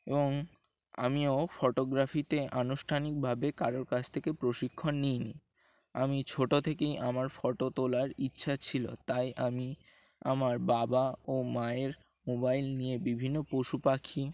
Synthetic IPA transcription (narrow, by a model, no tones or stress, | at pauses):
eboŋ | a̰miofɔʈoɡɾafit̪eʔanuʃʈʰanik̚bʱabekaɾoɾkat͡ɕʰt̪ʰekepɾoʃikʰːonːijni | a̰mit͡ɕʰoʈot̪ʰekejʔamaɾfɔʈot̪olaɾitːɕʰat͡ɕʰilo̰t̪ajʔami | amaɾbabaomaeɾ | mobajlnijebibʱinːopoʃupakʰi